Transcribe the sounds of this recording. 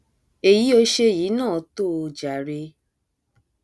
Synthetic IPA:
e˨ji˨˦o˧ʃe˧˨jiː˨˦nãː˦˨˦to˦˨˧d͡ʒa˨ɾe˧

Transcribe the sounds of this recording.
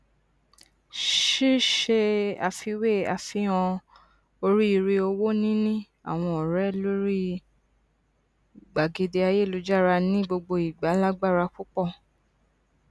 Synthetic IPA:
ʃi˦ʃe˧a̰˨fi˧we˦˨a̰˨fĩ˨˧˦ã˧ | o˧ɾi˦i˧ɾe˧o˧wo˦nĩ˦nĩ˦ | a̰˨w̃ɔ̃˧ɔ˨ɾɛ˨˦lo˦ɾi˦ | ɡ͡ba˨ɡe˧de˧a˧je˦˨lo˨˦d͡ʒa˦˨ɾa˧nĩ˦ɡ͡bo˧ɡ͡bo˧i˨ɡ͡ba˨˦la˦ɡ͡ba˦˨ɾa˧ku˦k͡pɔ˦˨

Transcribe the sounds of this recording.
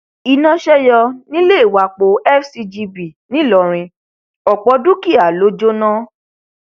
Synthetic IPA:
i˧nã˧ʃɛ˦jɔ˧nĩ˦le˦˨i˨wa˨k͡po˨˦ɛ˦˨fsi˧d͡ʒi˧bi˨nĩ˨˦lɔ˨ɾ̃ĩ˧ | ɔ˨k͡pɔ˧˦du˦ki˦˨a˨lo˨˦d͡ʒo˦nã˦

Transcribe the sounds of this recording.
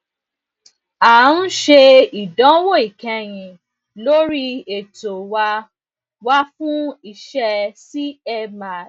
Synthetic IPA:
a˨˦n̩˦ʃe˧i˨dɔ̃˨˦wo˦˨i˨kɛ̃˧˦j̃ĩ˧ | lo˦ɾi˦e˨to˨wa˧ | wa˦fũ˦i˧ʃɛ˦si˦ɛ˧ma˨

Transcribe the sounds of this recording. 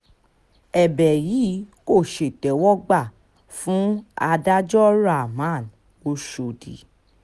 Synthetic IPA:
ɛ˨bɛ˨ji˨˦ko˦˨ʃe˨tɛ˨˦wɔ˦ɡ͡ba˦˨ | fũ˨˦a˧da˦d͡ʒɔ˦ɾa˦˨mã˨˦˨n | o˧ʃo˨di˨

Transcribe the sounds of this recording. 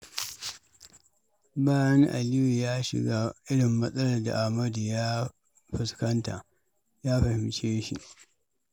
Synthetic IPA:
baː˦jɐ˦ŋʔa̰˨lɪ˦wi˨jaː˦ʃɪ̰˨ɡaː˦ʔɪ˦ɽɪ˨mːɐ˦sʼɐ˦lɐ˨da̰˨ʔa˨hmɐ˦du˨jaː˦ | ɸɪ˨skɐ˦nta̰˨ʔ | jaː˦ɸɐ˨hɪ˨mt͡ʃeː˦ʃḭ˨ʔ

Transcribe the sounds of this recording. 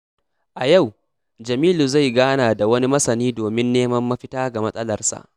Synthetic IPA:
ʔa˨ja˦˨w | d͡ʒɐ˨miː˦lu˨za˦˨jɡaː˦naː˨da˨wɐ˦ni˦mɐ˦sɐ˨niː˦doː˨mɪ˦nːeː˦mɐ˦mːɐ˦ɸɪ˦taː˦ɡa˨mɐ˦sʼɐ˦lɐ˨rsa̰˨ʔ

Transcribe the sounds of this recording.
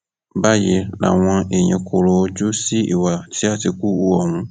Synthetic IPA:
ba˦jɛ˨la̰˨wã˦e˨ɲɛ̃˨kʰo˨ɾo˨˦d͡ʒo˦si˦ʔe˨wa˨tʰɪ˦a˦tɪ˨ku˦u˦wɔ˨nũ˦

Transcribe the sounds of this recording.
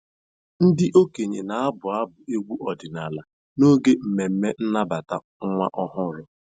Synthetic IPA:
n̩˦dɪ˦ʔo˦ke˨ɲe˨na˨a˦bʊ˨a˦bʊ˨e˦ɡʷu˦ʔɔ˨dɪ˨na˨la˨ | no˦ɡe˦m̩˨me˨m̩˦me˦n̩˦na˦ba˨ta̰˨ | ŋ̩˦ŋʷa̰˦ʔɔ˦ɦʊ˦ɾʊ˦

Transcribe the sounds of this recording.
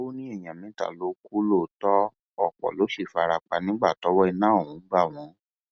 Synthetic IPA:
o˦nĩ˦ɛ˦˨j̃ã˨mĩ˨˦ta̰˨lo˨˦ku˦lo˦˨tɔ˦ | ɔ˦˨k͡pɔ̰˨lo˨˦ʃi˦˨fa˧ɾa˧k͡pa˧˨nĩ˨˦ɡ͡ba˦˨tɔ˨˦wɔ˦i˧nãː˦˨ũ˨˦ɡ͡ba˦˨w̃ɔ̃˨˦

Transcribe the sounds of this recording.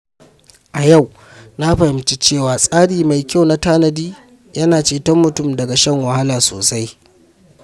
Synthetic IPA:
ʔa˨ja˦˨w | na˦ɸɐ˨hɪ˨˦mt͡ʃi˦t͡ʃeː˦˨waː˨sʼaː˦ɽiː˨ma˨jkʲa˦˨wna˦taː˦nɐ˨diː˦ | jɐ˦naː˨t͡ʃeː˨tɔ˦mmːʊ˨tʊ˦˨mdɐ˨ɡa˨ʃɐ˦ŋwɐ˨ha˦laː˨so̰ː˨sa˦j

